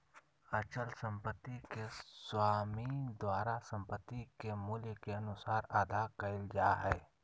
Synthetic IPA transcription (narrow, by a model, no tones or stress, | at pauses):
ət͡ʃəlsə̃mpət̪ːikeswaːmid̪waːɾasə̃mpət̪ːikemʊljkeɐnʊsaːɾaːd̪akəɪld͡ʒaɦɛː